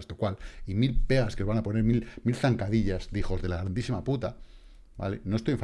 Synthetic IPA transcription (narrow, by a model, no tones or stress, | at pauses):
st̪okwalimilpe̞ɣaskeβanapo̞ne̞ɾmilmilθaŋkaðiʎazd̪ixo̞zðe̞laɣɾand̪isimaput̪a | ba̰le̞̰no̞est̪ojeɱf